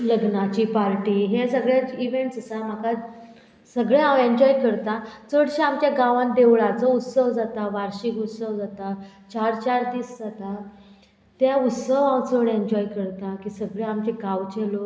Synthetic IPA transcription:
ləɡnat͡ɕiːpaɾʈiːɦesəɡɭjaiʋeɳʈsəsam̤aka | səɡɭeãweɲd͡ʑɔikəɾt̪at͡səɽɕaamt͡ɕjaɡaʋãnd̪eʋɭat͡sɔut̪səʋd͡zat̪aʋaɾɕikut̪səʋd͡zat̪a | t͡ɕaɾt͡ɕaɾd̪iːsd͡zat̪a | t̪jaut̪səʋãwt͡səɽeɲd͡ʑɔikəɾt̪akiːsəɡɭeamt͡ɕeɡãʋt͡ɕelo

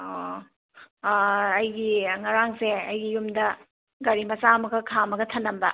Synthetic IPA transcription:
o | ɐjɡiŋɐɾaŋseɐjɡijumdɐ | ɡɐɾimɐsamɐɡɐkʰamɐɡɐtʰɐnːɐmbɐ

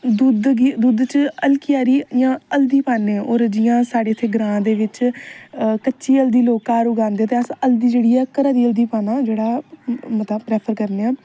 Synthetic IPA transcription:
d̪ud̪ɡd̪ud̪t͡ʃəlkɪjaːɾiːjãːəld̪iːpaːneːɔːɾd͡ʒɪjãːsaːɽeːət̪ʰːeːɡɾãːd̪eːʋɪt͡ʃ | kətːʃiːəld̪iːloːkãːɾʊɡãːnd̪eːt̪eːəsəld̪iːd͡ʒeːɽiːɛːkəɾãːd̪iːəld̪iːpaːnaːd͡ʒeːɽaːmət̪ləpɾɛːpʰəɾkəɾneːaː

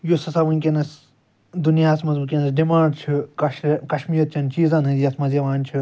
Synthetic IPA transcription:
josɐsaʋɨnʲkʲenɐs | d̪unjaːsmɐzbɨkʲenɐsɖimaːɖt͡ʃʰukɐkɐʃmiːɐt̪̚t͡ʃʰɐnt͡ʃiːzaːnɨjɐsmɐzeʋaːnt͡ʃʰi

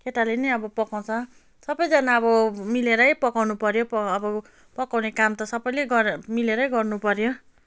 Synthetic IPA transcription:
kʰeʈalenʌjʌbʌpʌkaw̃t͡sʰʌ | sʌbʌjd͡zʌnaʌbʌmileɾʌjpʌkawnupʌɾjopːbʌ | pʌkawnekamt̪ʌsʌbʌjleɡʌmileɾʌjɡʌrnupʌɾjo

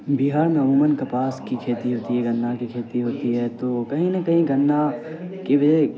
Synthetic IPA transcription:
biɦaːɾmẽmuːmənkɐpaːskikʰeːt̪iɦoːt̪iɦɛɡɐ̃nd̪ʱakikʰeːt̪iɦoːt̪iɦɛːt̪oːkɐɦĩnɐkɐɦĩɡɐ̃ndakiʋɐd͡ʒe

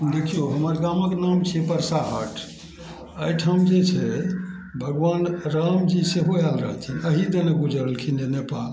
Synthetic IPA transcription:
d̪ekʰijoɦəməɾɡaməkenamt͡ʃʰɛpəɾsaɦəʈʰ | əjʈʰamd͡ʒet͡ʃʰɛ | bʱəɡʋanɾamd͡ʒiseɦoalɾəɦəlt̪ʰinəɦid̪enəbud͡ʒəɾəlkʰind͡ʒenepal

